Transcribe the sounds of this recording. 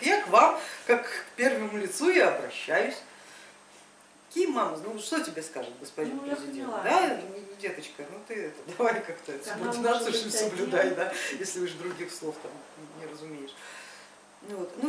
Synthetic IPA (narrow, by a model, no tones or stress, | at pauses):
kjakvamkakpʲe̞rvəmʊlʲɪt̪sujaɐbɾɐɕːæjʉsʲ | kʲimamənuʂt̪o̞tʲɪbʲeskaʐɨt̪̚ɡəspɐdʲinpɾʲɪzʲɪdʲend̪anʲɪɪdʲe̞t̪ət͡ɕkənut̪ɨɛt̪əd̪ɐvajkakt̪əɛsbutʲɪnaoʂmʲsəblʲʊd̪ajd̪ajesʲlʲɪvɨʂd̪ɾʊɡʲixslˠo̞ft̪amnʲɪɾəzʊmʲejɪʂ | vot̪nu